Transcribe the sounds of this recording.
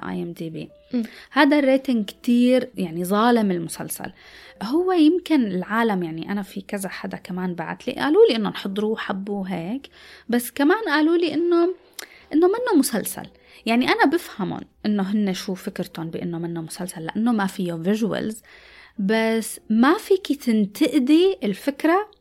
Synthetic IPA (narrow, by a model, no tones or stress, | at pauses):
ʔa̰ːjʔɛmd̪iːbḭː | haːd̪arˤːeːt̪ɪŋkt̪iːɾjaʕnizˤɑːlɪmɪlmʊsa̰lsa̰lhʊwːejɪmkɪnɪlʕaːlamjaʕniʔanafikazaħad̪akamaːnba̰ʕa̰t̪lḭʔa̰ːluːliʔɪnːonħɨd̪ˤːɾuħabːuɦeːkbasːkamaːnʔaːluːliʔɪnːo | ʔɪnːomɪnːomʊsalsa̰l | jaʕniʔanabɪfhamʊ̰nʔɪnːoɦɪnːeʃuːfɪkɾɪt̪onbɪʔɪnːomɪnːomʊsalsalːa̰ʔanːomafɪjːovɪʒwa̰lz | basːmafiːkit̪ɪnt̪ʰɪʔd̪iɪlfɪkɾa